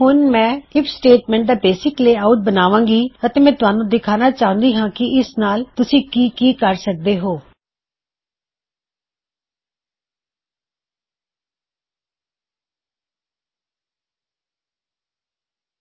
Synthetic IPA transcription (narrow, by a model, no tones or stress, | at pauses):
ɦʊnmɛ̃ːɪpsʈeːʈmɛ̃ːɳʈ̚d̪aːbeːsɪkleːaːʊʈ̚bənaːʋãːŋɡiːət̪eːmɛ̃ːt̪ʊaːnũːd̪ɪkʰaːnaːt͡ʃaːɦʊ̃nd̪iːɦãːkɪʔɪsnaːlt̪ʊsĩːkiːkiːkəɾsək̚d̪eːɦoː